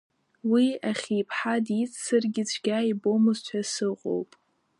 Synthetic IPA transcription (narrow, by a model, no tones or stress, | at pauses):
wiaχʲipʰħadit͡ssɨrɡʲɪt͡ʃʷʰɡʲaibo̞mɨzt͡ʃʷʰasɨqʷʼo̰wpʼ